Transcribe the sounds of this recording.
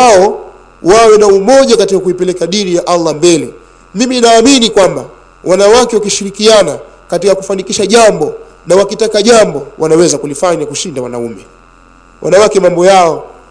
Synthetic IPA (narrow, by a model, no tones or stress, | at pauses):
waɔ | wawɛnaumɔʄakatikakuipɛlɛkaɗiɾijaʔalːambɛlɛ | mimiinaːminikwamba | wʔanawakɛwakiʃiɾikiana | katikakufanikiʃaʄambɔ | nawakitakaʄambɔwʔanawɛzakulifaɲakuʃindawanaumɛ | wʔa̰nawakɛmambɔjaɔ